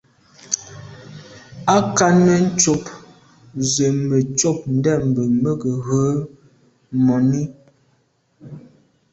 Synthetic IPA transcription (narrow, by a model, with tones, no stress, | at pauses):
a˦ka˦nə˦n̩˦t͡ʃo˨p | zə˨mə˨t͡ʃo˦˨p̚n̩˦dɛ˦˨m˨bə˨mə˦ɡə˨ɣə˨˦ | mɔ˨ni˦